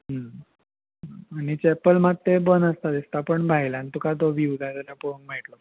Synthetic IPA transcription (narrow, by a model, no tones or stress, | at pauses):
ɦə | anit͡ɕɛpəlmat̪ːebənəst̪ad̪ist̪apəɳbʱajlaanit̪ukat̪̬oʋid̪at̪alapounmeʈlo